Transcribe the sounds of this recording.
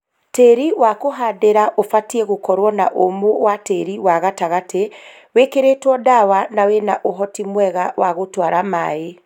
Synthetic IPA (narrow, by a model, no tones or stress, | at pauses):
teɾiwakoɦadeɾaʔofatiɛɣokɔɾwɔna̰ʔomowateɾiwaɣataɣatʰe | wekeɾetwɔdawanawenaʔoɦɔtimwɛɣawaɣotwaɾama̰e